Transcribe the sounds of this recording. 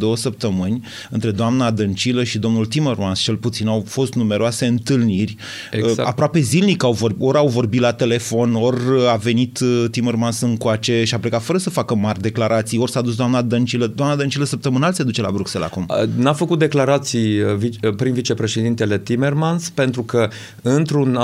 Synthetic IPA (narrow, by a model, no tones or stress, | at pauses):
d̪o̞wəsəp̚t̪əmɨnʲ | ɨnt̪ɾe̞d̪oamnad̪ənt͡ʃiləʃid̪o̞mnult̪ime̞rmanst͡ʃe̞lput̪sinawfo̞st̪nume̞ɾoase̞ɨnt̪ɨlnirʲ | ea̰pɾoape̞zilnikawvo̞ro̞ɾawvo̞rbit̪lat̪e̞le̞fo̞no̞rʲave̞nit̪t̪ːimermansɨŋkoat͡ʃe̞ʃiaplekat̪fəɾəsəfakəmarʲd̪e̞klaɾʔat̪sijo̞rsaːd̪us̬d̪oamnad̪ənt͡ʃiləd̪oamnad̪ənt͡ʃiləsəp̚t̪əmɨnalse̞d̪ut͡ʃe̞la̰bɾukse̞la̰kumnafəkut̪̚d̪e̞klaɾat̪sijvipɾinvit͡ʃe̞pɾe̞ʃe̞d̪int̪e̞le̞t̪ime̞rmanspe̞nt̪ɾukə | ɨnt̪ɾun